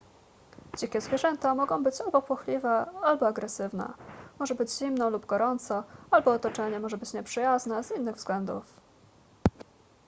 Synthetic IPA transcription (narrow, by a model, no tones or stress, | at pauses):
d͡ʑikʲɛzvʲjɛʐɛnt̪amɔɡɔ̃w̃bɘt͡ɕalbɔpwɔxlʲivɛalbɔaɡɾɛsɘvnɛ̰mɔʐɛbɘd͡ʑʑimnɔlubɡɔɾɔnt̪sɔalbɔːt̪ɔt͡ʂɛɲɛmɔʐɛbɘt͡ɕɲɛpʂɘjaznɛzinːɘɣvzɡlɛnd̪ṵf